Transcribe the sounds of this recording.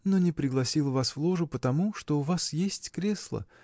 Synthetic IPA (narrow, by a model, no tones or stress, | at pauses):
no̞nʲɪpɾʲɪɡlˠɐsʲilˠəvasvlˠo̞ʐʊpət̪ɐmuʂt̪o̞ʊvasjesʲtʲkɾʲe̞slˠə̰